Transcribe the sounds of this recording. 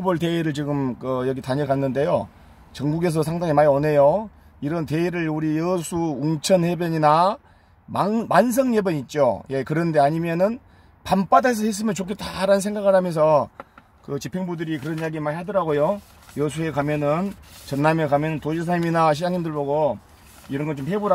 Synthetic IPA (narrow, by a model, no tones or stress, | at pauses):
uboɭte̞iɾɯɭt͡ɕiɡɯmkɯjʌɡitaɲʌkanːɯnde̞jo | t͡ɕʌŋɡuɡe̞s̬ʰʌs̬ʰaŋdaŋimaone̞jo | iɾʌnteiɾɯɭuɾijʌsʰuuŋt͡ɕʰʌnhe̞bjʌɲina | mamans̬ʰʌŋjebjʌɲit̚t͡ɕ͈o̰je̞kɯɾʌnde̞aɲimjʌnɯn | pamp͈adas̬ʌhe̞s͈ɯmjʌnt͡ɕokʰet͈aɾanɯnsʰe̞ŋɡaɡɯɭhamjʌns̬ʰʌ | kɯt͡ɕipʰeŋbudɯɾikɯɾʌnjaɡimaɭɦadʌɾaɡojo | jʌs̬ʰue̞kamjʌnɯnt͡ɕʌnːamjekamjʌnɯntoɕʰis̬ʰaiminaɕ̬ʰid͡ʑaŋɦimdɯɭboɡo | iɾʌnɡʌnt͡ɕompʰebuɾa